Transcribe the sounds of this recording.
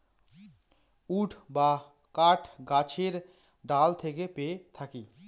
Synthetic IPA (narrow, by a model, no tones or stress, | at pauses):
uːʈʰba | kaːʈʰɡat͡ʃʰeɾ | ɖaːlt̪ʰeɡepet̪ʰaki